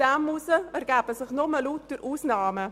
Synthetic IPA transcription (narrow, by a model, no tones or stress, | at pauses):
amusəæɾɡæːbəsɪχnɔməluːt̚d̥əɾʔuːsnɑːmə